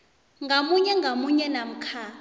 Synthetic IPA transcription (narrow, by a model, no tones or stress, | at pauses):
ŋɡʱamuɲɛŋɡʱamuɲɛnam̩kʰaː